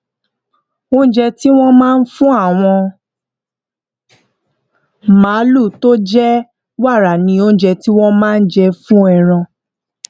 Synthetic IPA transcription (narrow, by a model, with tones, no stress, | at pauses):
o˦n̩˦d͡ʒɛ˧ti˦w̃ɔ̃˦mãː˦˧n̩˦fũ˦a˦˨w̃ɔ̃˧ | mãː˨˦lu˦˨to˦d͡ʒɛ˦ | wa˦˨ɾa˨nĩ˧õ˦d͡ʒɛ˧ti˦w̃ɔ̃˦mãː˦˧n̩˦d͡ʒɛ˧fũ˦ɛ˨ɾ̃ã˧